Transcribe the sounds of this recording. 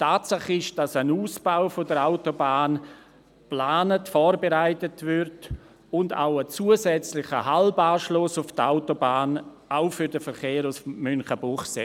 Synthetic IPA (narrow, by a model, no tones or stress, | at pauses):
tʰaːtsaχɪʃd̥ɑsənuːsb̥aʊfodəɾaʊtobaːn | plaːnətfɔːɾbeɾaɪtətvʏɾt | ʊnda̰ʊət͡suːəzɛt͡slɪχəɦalbaːʃlʊsʊfta̰ʊtobaːn | aʊfʏɾdəfəɾχeːɾʊsmʏnχəbʊχse